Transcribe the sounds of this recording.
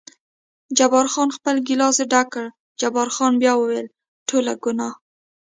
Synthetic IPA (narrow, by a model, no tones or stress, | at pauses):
d͡ʒabɑɾxɑnxpəlɡilɑzeɖakəɽ | d͡ʒabɑɾxɑnbjɑwəwel | ʈʰolaɡʊnɑ